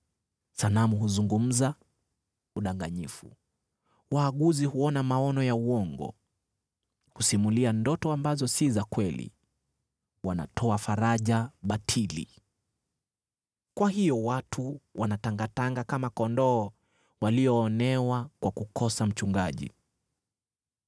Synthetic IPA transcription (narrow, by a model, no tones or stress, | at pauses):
sanamuɦuzuŋɡum̩za | uɗaŋɡaɲifṵ | waːɠuzihuɔnamaɔnɔjauɔŋɡɔ̰ | husimuliandɔtɔambazɔsizakwɛlḭ | wana̰tʰɔafaɾaʄaɓatʰilḭ | kwahijɔwatʰuwʔanataŋɡataŋɡakamakɔndɔː | waliɔːnɛwakwakukʰɔsam̩t͡ʃuŋɡaʄḭ